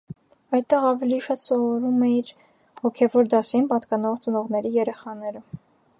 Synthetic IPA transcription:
ɑjt̪t̪ːɛʁɑvɛliʃɑt̪sɔvɔɾumɛiɾ | hɔkʰɛvɔɾd̪ɑsinpɑt̪kɑnɔʁt͡sənɔʁnɛɾijɛɾɛχɑnɛɾə

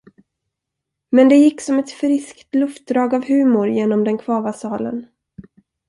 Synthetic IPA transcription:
mɛnd̪ɛjɪkːsɔmɛt̪fɾɪskt̪lɵft̪̚d̪ɾɑːɡavhʉ̟ːmʊɾjeːnɔmd̪ɛnkʰvɑːvasɑːlə̰n

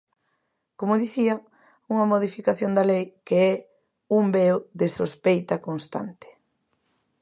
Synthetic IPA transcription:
komoðiθiɐ | uŋɐmoðifikaθjond̪ɐlejkeɛ | umbeoðesospejt̪ɐkonst̪a̰nt̪e̥

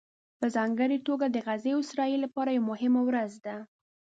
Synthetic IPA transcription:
pəzɑŋɡəɾit̪oɡad̪əɣazeʊsɾɑjilapɑɾajawmʊɦɪmawɾazd̪a

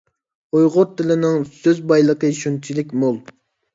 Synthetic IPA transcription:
ojʁʊɾt̪ʰɪlɪnɪŋsøzbɑjlˠəqəiʃunt͡ʃʰilɪkʲmolˠ

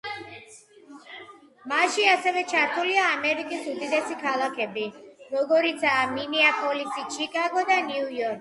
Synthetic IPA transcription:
maʃiasɛvɛt͡ʃʰaɾt̪ʰuliaːmɛɾikʼisud̪id̪ɛsikʰalˠakʰɛbiɾɔɡɔɾit̪sʰaːminiapʰʼɔlisit͡ʃʰikʼaɡɔd̪aniujɔɾkʰ

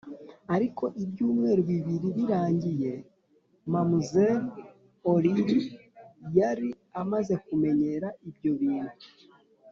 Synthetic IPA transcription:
aɾiko̞ʔibjuːmŋe̞ːɾuβiβiɾiɾiɾaːɲɟije̞ | mamuzeɾ | oɾiɾi | jaɾi | amaze̞kume̞ɲe̞ɾaʔibjo̞βiːndu

